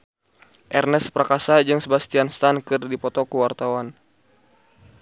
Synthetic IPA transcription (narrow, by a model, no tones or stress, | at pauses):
ʔɛrnɛsprakasad͡ʒɨŋsəbast̪ianst̪ankɨrdipɔt̪ɔkuwart̪awan